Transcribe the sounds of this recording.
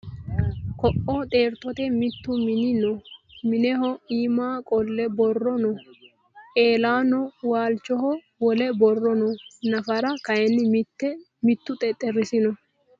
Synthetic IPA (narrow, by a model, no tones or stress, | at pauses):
kɔʔoːt̪ʼe̞ːɾt̪ɔt̪ɛmɪt̪ːʊmɪnɪnɔmɪnɛhɔiːmaːkʼɔlːɛbɔrːɔnɔ | ʔeːlaːnɔwaːlt͡ʃːɔɦɔ | wɔlɛbɔrːɔnɔnɐfɐɾɐkɐjɛnːɪmt̪ːɛ | mɪt̪ːʊt̪ʼɛt̪ʼɛrːɪsɪnɔ